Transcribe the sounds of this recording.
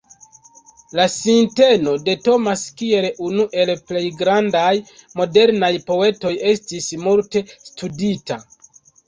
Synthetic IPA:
lasinte̞no̞de̞to̞maskie̞lunuʔe̞lple̞jɡɾandajmo̞de̞ɾnajpo̞e̞to̞je̞stismuɾte̞studita

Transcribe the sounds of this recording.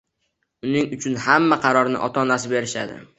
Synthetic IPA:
ʊnɪŋʊt͡ʃʰʊnhamːaqʰɑɾɒɾnɪ̰ʔɒt̪ʰaɒnasɪbe̞ɾɪʃa̰d̪ɪ̰

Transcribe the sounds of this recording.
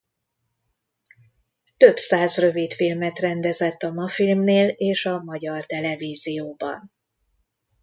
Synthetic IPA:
t̪ø̞bsaːzrø̞vit̪filmɛt̪rɛnd̪ɛzɛt̪ːɒmɒfilmneːleːʃɒmɒɟɒrt̪ɛlɛviːzijoːbɒ̰n

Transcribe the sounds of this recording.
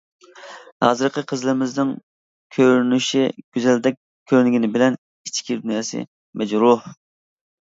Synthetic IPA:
hɑ̰ːzɨɾqʰəqʰəzlɨɾɪmɪznɪŋ | kʲʰøɾnyʃiɡ̥ʲyzɛld̪ɛk̚ʲ | kʲʰːøɾnɪɡʲinɪbɪlɛn | it͡ʃʰkʲʰid̪unjɑːsɨ̰ | mɛd͡ʒɾuh

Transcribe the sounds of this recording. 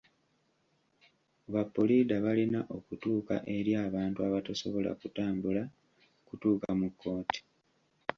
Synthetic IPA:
βapːoliːdaβalinaʔo̞kutuːka̰ʔe̞ɾjaːβaːntuaβataso̞βo̞la̰kutaːmbula | kutuːkamukʰːo̞ːti̥

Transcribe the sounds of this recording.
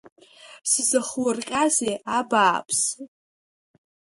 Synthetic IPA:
sizɨχwrkʲʼazeabaːpʼʰs

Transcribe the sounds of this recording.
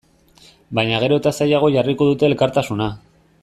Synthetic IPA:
bajɲaɣ̞e̞ɾo̞t̪asajaɣ̞o̞ʝariko̞ðut̪e̞ːlkaɾt̪asuna

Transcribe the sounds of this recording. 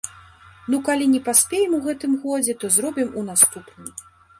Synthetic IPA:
nukalʲinʲɛpasʲpʲejɛmuɣɛt̪ɨmɣɔd͡zʲɛt̪ɔzɾɔbʲimun̪ast̪upnɨm

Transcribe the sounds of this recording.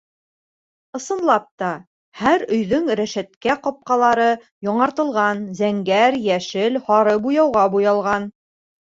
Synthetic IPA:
ɤ̆sɤ̆nlˠɑp̚t̪ɑ | hæɾɵ̆jðɵŋɾæʃæt̪kæqɒp̚qɑlˠɑɾɤ | jɒɴɑɾt̪ɤ̆lˠʁɑnzæŋɡæɾjæʃɘlhɑɾɤbujɑwʁɑbujɑlˠʁɑn

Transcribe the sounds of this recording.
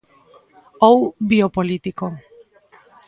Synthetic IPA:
awbiopolit̪iko

